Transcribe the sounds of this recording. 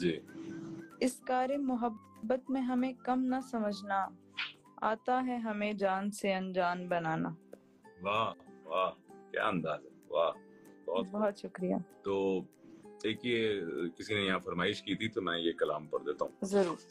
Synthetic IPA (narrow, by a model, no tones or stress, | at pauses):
d͡ʒiː | ɪskaːɾemʊɦəbː | ət̪mẽɦɐmẽkɐmnɐsɐməd͡ʒʱna | a̰ːt̪aɦɛɦɐmẽd͡ʒaːnseɐ̃nd͡ʒaːnbɐnaːna̰ː | ʋaːʋaːkja̰ːɐ̃nd̪aːzɛʋaː | bɔɦɔt̪bɔɦɔt̪ʃʊkɾija̰ːt̪oː | eːkijekɪsinejɐɦãfɐɾmaːɪʃkiːt̪ʰit̪omɛ̃jekɐla̰ːmpɐ̰ɾd̪eːt̪a̰ɦũːzɐɾuːɾ